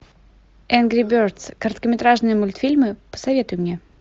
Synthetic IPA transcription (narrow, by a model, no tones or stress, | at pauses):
ɛnɡɾʲɪbʲørt̪skəɾt̪kəmʲɪt̪ɾaʐnɨjəmʊlʲt̪fʲilʲmɨpə̥sɐvʲe̞t̪ʊjʊmnʲe